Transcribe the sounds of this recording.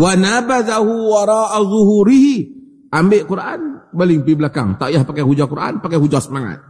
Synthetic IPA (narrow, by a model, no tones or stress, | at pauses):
wanabaðaɦuwaɾˤɑːʔazʊɦuɾihi | ʔambeʔkuɾʔanbaliŋpibəlaka̰ŋt̪ajahpakɛhud͡ʒakuɾʔa̰npakɛhud͡ʒɔsəmaŋa̰t̪̚